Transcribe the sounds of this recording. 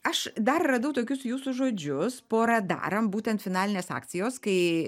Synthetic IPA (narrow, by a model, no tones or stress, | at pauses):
ɐʃd̪ɐrːɐd̪ɐʊt̪oːkʲʊsjuːsʊʒoːd͡ʒʲʊspoːɾɐd̪ɑ̰ːɾɐmbuːt̪ʲɛnt̪fʲɪnɑːlʲɪnʲeːsɑ̰ːkt̪sʲɪjoːskɐɪ